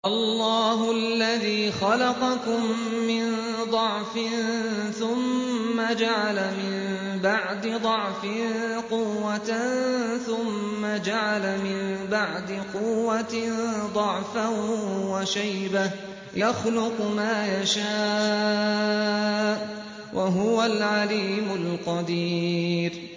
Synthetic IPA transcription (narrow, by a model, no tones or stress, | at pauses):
ʔɑlːɑːɦʊʔalːaðiːxɑlɑqɑkʊmːɪn | d̪ˤɑʕfɪnθʊmːad͡ʒaʕalamɪm | baʕd̪ɪd̪ˤɑʕfɪqʊwːat̪nθʊmːad͡ʒaʕalamɪmbaʕd̪ɪqʊwːad̪ˤɑʕfawaʃajba | jaxlʊqmaːjaʃaː | wʔaɦʊwalʕaliːmʊlqɑd̪iːɾ